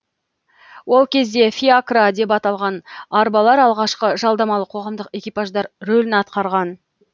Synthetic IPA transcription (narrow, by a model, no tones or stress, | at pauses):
wo̞lˠkʲʰe̞zd̪e̞fʲiakrad̪e̞p̬ɑt̪ɑlˠʁɑnɑɾbɑlˠɑɾɑlˠʁɑʃqəʒɑlˠd̪ɑmɑlˠəqʰo̞ʁɑmd̪əqe̞kʲijpaʒd̪ɑɾɾolɪnɑt̪̚qɑɾʁɑn